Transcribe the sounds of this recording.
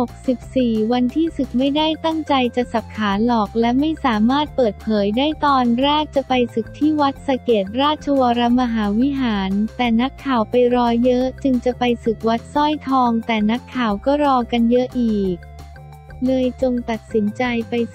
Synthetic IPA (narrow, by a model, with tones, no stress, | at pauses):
ho˨˩k̚si˨˩p̚siː˨˩wa˧nt̪ʰiː˥˩sɯ˨˩k̚ma˥˩jdaː˥˩jt̪a˥˩ŋt͡ɕa˧jt͡ɕa˨˩sa˨˩p̚kʰːaː˩˦nlɔː˨˩k̚lɛ˦˥ma˥˩jsaː˩˦maː˥˩t̪̚pɤː˨˩t̪̚pʰɤː˩˦jdaː˥˩jt̪ɔː˧nɾaː˥˩t̚t͡ɕa˨˩pa˧jsɯ˨˩k̚t̪ʰiː˥˩wa˦˥t̪̚sa˧keː˨˩t̪̚ɾaː˥˩t̪̚t͡ɕʰa˧wa˧ɾa˦˥ma˧ɦaː˩˦wi˦˥ɦaː˩˦nt̪ɛː˨˩na˦˥kʰːaː˨˩wpa˧jɾɔː˦˥ɤ˦˥ʔt͡ɕɯ˧ŋt͡ɕa˨˩pa˧jsɯ˨˩k̚wa˦˥t̪̚sɔ˥˩jt̪ʰɔː˧ŋt̪ɛː˨˩na˦˥kʰːaː˨˩wkɔː˥˩ɾɔː˧ka˧njɤ˦˥ʔiː˨˩k̚ | lɤː˧jt͡ɕo˧ŋt̪a˨˩t̪̚si˩˦nt͡ɕa˧jpa˧j